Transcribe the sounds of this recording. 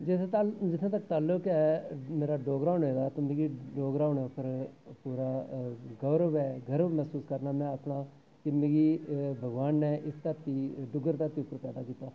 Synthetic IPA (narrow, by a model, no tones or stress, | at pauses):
d͡ʒet̪et̪ad͡ʒɪt̪ʰːãːt̪ək̚ːt̪aːlʊkɛːmeːɾaːɖoːɡɾãːʊɳeːd̪aːt̪õmeːɡiɖoːɡɖaːʊɳɛpʰəɾpuːɾaːɡəɾəʋɛːɡʱəɾmɛːsuːskəɾnaːmɛ̃ːəpɳaː | kɪmeːɡibʱəɡʋaːnːɛːʔɪst̪əɾt̪iɖʊɡəɾt̪aɾt̪iːʊpːəɾpɛːd̪aːkiːt̪aː